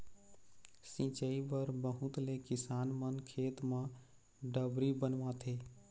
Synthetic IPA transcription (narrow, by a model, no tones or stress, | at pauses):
sĩt͡ʃəibəɾbəɦũt̪lekɪsaːnmənkʰeːt̪mã | ɖəbɾibənʋãt̪ʰe